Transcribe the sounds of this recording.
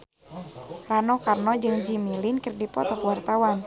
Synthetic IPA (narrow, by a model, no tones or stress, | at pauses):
ranɔkarnɔd͡ʒɨŋd͡ʒimilinkərdipɔt̪ɔkwart̪awan